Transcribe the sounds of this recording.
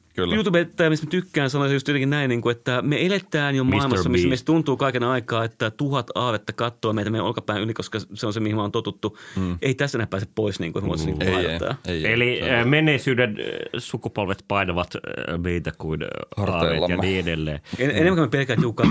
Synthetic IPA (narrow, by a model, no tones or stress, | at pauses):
kljuːt̪uːbet̪ːæːmismet̪ykːæːnsɑnoisɑjust̪iot̪eŋkinæinniːŋkuet̪ːæmeelet̪æːnjomɑsilmɑsːɑmismeist̪t̪unt̪uːkɑikenɑikɑːet̪ːæt̪uhɑt̪ɑːʋet̪ːɑkɑt̪ːoːmeit̪æmeio̰lkɑpæinʔylikoskɑseonsemihimont̪ot̪ut̪ːueit̪æstːenæpæːseppoisnḭŋkuesmo̰snikːet̪ːɑ̰ːelimenːˑeːsyːdensukupolʋet̪pɑinɑʋɑt̪meit̪ækuinɑɑːʋḛjɑniːedelːḛːeenemːækumepelkæːt̪jiukːˑɑ